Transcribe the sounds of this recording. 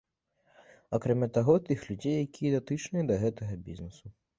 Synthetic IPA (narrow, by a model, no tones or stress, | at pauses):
ɐkɾɛmʲat̪ɐɣɔt̪ɨxlʲud͡zʲejːɐkʲijɐd̪ɐt̪ɨt͡ʃnɨɐd̪ɐɣɛt̪ɐɣɐbʲḭznɛsu